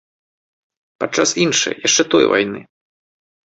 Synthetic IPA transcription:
pat͡ʂːasinʂɐ̰jjaʂt͡ʂɛt̪ɔ̰jva̰jnɨ̰

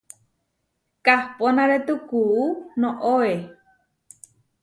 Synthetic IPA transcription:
kahponãɾet̪ukuunõʔoe

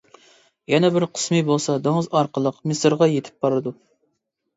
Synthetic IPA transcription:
jɛnɛbɪɾqʰə̥smɨbolˠsɑd̪oŋzɑɾqʰəlˠəqmɨsɨɾʁɑjet̪ʰɪ̥p̚bɑɾɨd̪u

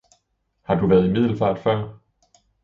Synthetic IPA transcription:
hɑ̈d̥uʋæːɐð̞̩ˠimið̞̰ˠl̩fæ̈ːd̥fɶɐ̰

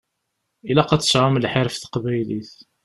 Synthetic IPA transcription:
ilæqɑt͡sːə̥sʕamlħeɾfθə̥qbæjliθ

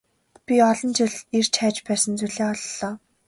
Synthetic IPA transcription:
pʲiɔɮɞ̆nt͡ɕɪɮert͡ɕʰæːt͡ɕpæːsə̆nt͡suɮeːɔɮːɔː

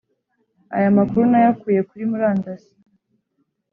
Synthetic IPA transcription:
a̰jamakuɾunajakuːje̞kuɾimuɾaːndasi̥

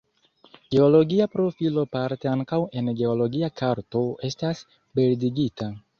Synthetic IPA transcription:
ɡ̥e̞o̞lo̞ɡiapɾo̞filopaɾte̞aŋkawe̞nɡe̞o̞lo̞ɡiakʰaɾto̞e̞stas | be̞ldiɡita

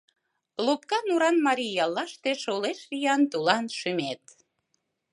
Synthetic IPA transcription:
lup̚kɑnuɾɑnmɑɾijɑlɑʃt̪eʃoleʃlijɑnt̪ulɑnʃymet̪

